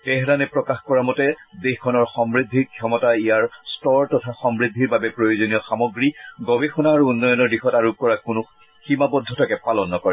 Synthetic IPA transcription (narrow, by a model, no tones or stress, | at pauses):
tɛɦɾanɛpɹɔkaxkɔɹamɔtɛdexkʰɔnɔɹxɔmɹid̪ʱːikʰjɔmɔtaijaɹstɔɹtɔtʰaxɔmɹid̪ʱːiɹbabɛpɹojozonijɔxamɔɡɹiɡɔbexɔnaːɹuːnːɔjɔnɔɹdixɔtaɹukɔɹakʊnʊ | ximabɔd̪ʱːɔtʰakɛpalɔnːɔkɔɹɛ